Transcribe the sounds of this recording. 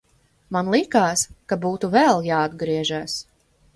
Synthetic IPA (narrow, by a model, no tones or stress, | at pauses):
manlˠikaːskabuːt̪uvɛlˠjaːad̪ɡɾiɛʒaːs